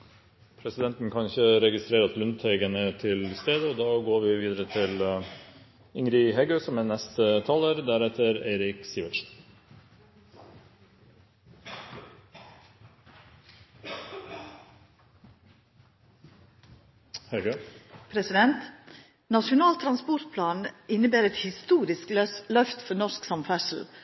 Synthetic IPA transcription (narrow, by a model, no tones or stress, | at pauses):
pʰɾɛsɪd̪ɛnt̪n̩kʰɑnɪçəɾɛɡɪst̪ɾeːɾɑt̪lʉnt̪ʰɛɡənət̪ʰɪlst̪eːd̪əoːd̪ɑːɡoːɾʋiːʋiːd̪əɾət̪ʰɪl | ɪŋɾɪɦɛɡøːsɔmeːnɛst̪ət̪ʰɑːlæːɾd̪æɾɛt̪ʰəɾæɪɾɪksiːʋəʃ | hɛɡøpʰɾɛsɪd̪ɛnt̪ | nɑʃʊnɑːlt̪ʰɾɑnspɔɾt̪̚pʰlɑːnɪnəbeːɾɛt̪hɪst̪uːɾɪsklœft̪fɔnɔʃksɑmfæʂl̩